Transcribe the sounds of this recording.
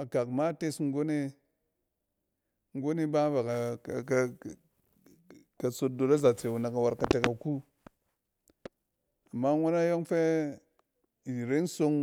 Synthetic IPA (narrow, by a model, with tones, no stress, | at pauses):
a˨ka˨kma˦te˦sŋ̩˦ɡo˦ne˦ | ŋ̩˦ɡo˦ne˦ba˦va˨ka˨˦ | ka˨so˦do˨la˦za˨t͡se˨wu˨na˨ka˨wa˨ɾka˨te˨ka˨ku˦ | a˨mːa˦ŋo˦na˦jo˦ŋfe˦˨ | ɾe˦so˦ŋ